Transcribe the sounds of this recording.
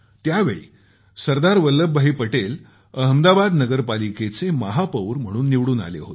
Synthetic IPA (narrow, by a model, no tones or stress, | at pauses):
t̪jaʋḛɭḭː | səɾd̪aɾʋəlːəbːəɦiːpəʈel | əɦəmd̪abad̪nəɡəɾpaliket͡seməɦapəwɾm̤əɽ̃uːnːiʋɽuːna̰lḛɦo̰t̪